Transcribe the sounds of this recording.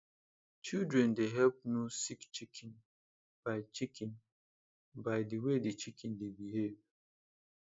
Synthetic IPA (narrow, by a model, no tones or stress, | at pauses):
t͡ʃildɹɛ̃ndeɦɛlp̚nusikt͡ʃikʰɛ̃n | b̥aɪt͡ʃikʰĩn | baɪdiwedit͡ʃikʰɛ̃ndebiɦev